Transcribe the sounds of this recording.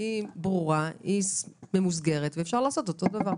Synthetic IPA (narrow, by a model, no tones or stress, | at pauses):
ibʁuʁaisme̞mus̬ɡe̞ʁet̪veːfʃaʁlaːso̞to̞t̪od̪avaʁ